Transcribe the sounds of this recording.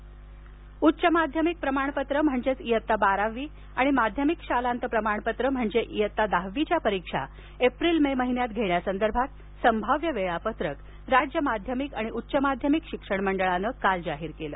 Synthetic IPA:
utːɕəmad̪ʱjəmik̚pɾəmaɳ̃pət̪ɾəm̤əɳd͡zet͡sijət̪ːabaɾaʋiː | aɽ̃imad̪ʱjəmikɕalant̪əpɾəmaɳ̃pət̪ɾəm̤əɳd͡zeʔijət̪ːad̪aɦʋit͡ɕjapəɾikʂa̰ | epɾilmeməɦinjat̪ɡʱeɳjasənd̪əɾbʱat̪̚ | səmbʱaʋjəʋeɭapət̪ɾək | ɾad͡ʑjəmad̪ʱjəmikaɽ̃iʔutːɕəmad̪ʱjəmikɕikʂəɳməɳɖəɭanəkald͡zaɦiɾkelə̰ː

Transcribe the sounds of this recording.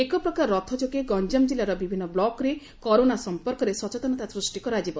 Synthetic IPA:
ekɔpɾɔkaɾːɔt̪ʰɔd͡ʒokeɡɔnd͡ʒamd͡ʒilaɾɔbibʱinːɔblɔkɾe | kɔɾonasɔmpɔɾkɔɾesɔt͡ʃet̪ɔnɔt̪asɾusʈikɔɾad͡ʒibɔ

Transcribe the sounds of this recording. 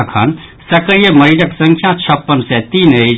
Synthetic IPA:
kʰə̰nsəkɾijəməɾid͡ʒəksə̃ŋkʰjãt͡ʃʰəpːənsɛt̪iːnəjd͡ʒ

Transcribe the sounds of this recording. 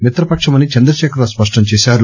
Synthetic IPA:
mit̪ɾɐpɐkʂɐmɐnit͡ʃɐnd̪ɾɐʃɛːkɐɾaspɐʂʈɐmt͡ʃɛːʃaːɾu

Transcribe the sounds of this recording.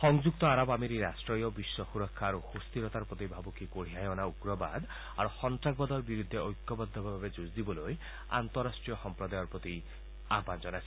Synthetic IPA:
xɔŋd͡ʒuk̚t̪ɔaɾɔbameɾiɾasʈɾɔjɔbiswɔxuɾɔkʰːaːɾuhust̪iɾɔt̪aɾpɾɔt̪ibʱabukikoɽ̤iajɔnauɡɾɔba̰d̪ | a̰ɾuxɔnt̪ɾaɡ̚bɔd̪ɔɾbiɾud̪ʱːeɔjkːɔbɔd̪ʱːɔbʱabʱabed͡ʒuzd̪ibɔloj | a̰nt̪ɔɾasʈɾijɔxɔmpɾɔd̪ajɔɾpɾɔt̪i | aband͡ʒɔnasʰi̥

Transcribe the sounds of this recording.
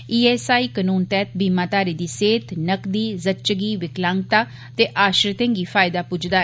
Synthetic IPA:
iːɛːsaːiːkənuːnt̪ɛːt̪̚ʰbiːmaːt̪aːɾiːd̪iːseːt̪nəkd̪iːzət͡ʃɡiːʋɪklãːŋɡt̪aː | t̪eːʔaːʃɾt̪ẽŋɡiːfʰaːɪd̪aːpʊd͡ʒd̪aːɛ

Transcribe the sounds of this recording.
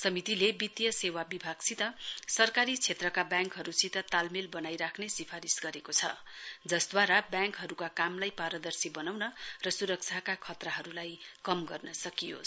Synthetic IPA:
sʌmit̪ilebit̪jʌsewabibʱaɡ̥sit̪ʌsʌrkaɾit͡sʰet̪rʌkabjãŋkɦʌɾusit̪ʌt̪almilbʌnajɾakʰnesipʰaɾisɡʌɾekot͡sʰʌ̰ | d͡zʌsd̪waɾabjãŋkɦʌɾukakamlajpaɾʌd̪ʌrsibʌnawnʌrʌsuɾʌk̚t͡sʰakakʰʌt̪raɦʌɾulajkʌmɡʌrnʌsʌkijo̰

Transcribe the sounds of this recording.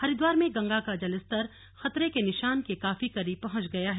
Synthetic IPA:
hɐɾɪd̪waːɾmẽɡɐ̃ŋɡakad͡ʒɐlɪst̪ɐɾ | xɐt̪ɾekenɪʃaːnkekaːfikɐɾiːb̚pɐɦʊ̃t͡ʃɡɐjaɦɛː

